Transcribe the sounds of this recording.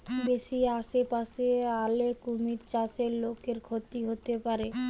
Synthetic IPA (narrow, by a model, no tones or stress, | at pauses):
beʃiaʃepaʃealekumiɾt͡ɕat͡ɕelokeɾkʰot̪ːiɦot̪epaɾe